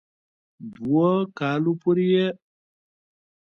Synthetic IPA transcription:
buɔkalupuɾijɛ

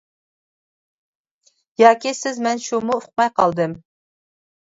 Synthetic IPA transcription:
jɑːkʲisɪzmɛnʃumuʊq̚mɑjqʰɑlˠd̪ɨm

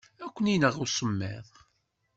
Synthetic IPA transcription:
ækʷːəninəʁʊsˤəmːḛðˤ

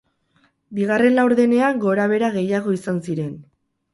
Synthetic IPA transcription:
biɣ̞are̞nlawɾðe̞ne̞aŋɡo̞ɾaβ̞e̞ɾaɣe̞jaɣo̞isansiɾe̞n

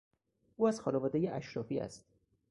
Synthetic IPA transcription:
ʔuːæz̥xɒːnevɒːd̪ejeʔæ̰ʃɾɒːfiːæ̰st̪̚

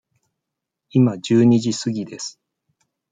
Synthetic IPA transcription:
imad͡ʑɨːɲ̟iʑisɨɡʲid̪e̞sɨ̥

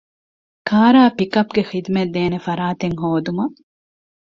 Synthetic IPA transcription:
kʰaːɾaːpikɐpɡexid̪med̪eːnefɐɾaːt̪eŋɦoːd̪umɐ

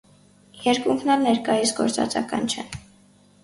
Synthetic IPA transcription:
jɛɾkuŋkʰnɑɾnɛɾkɑjisɡɔ̰ɾt͡sɑ̰t͡sɑ̰kɑ̰nt͡ʃʰɛn

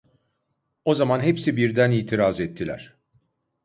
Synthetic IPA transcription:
o̞zamanɦepsibiɾd̪æniːt̪ʰiɾazɛt̪ʰːilʲæ̰ɾ̥

